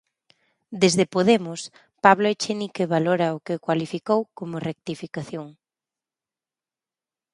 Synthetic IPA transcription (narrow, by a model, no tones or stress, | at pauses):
d̪ezðepoðemʊs | paβloet͡ʃenikeβaloɾɐʊkɪkwalifikowkomʊrek̚t̪ifikaθjoŋ